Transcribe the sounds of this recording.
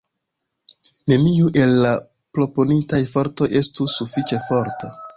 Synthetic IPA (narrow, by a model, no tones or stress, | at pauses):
ne̞miuʔe̞lːa | pɾo̞po̞nitajfo̞ɾto̞jʔe̞stusufit͡ʃe̞fo̞ɾta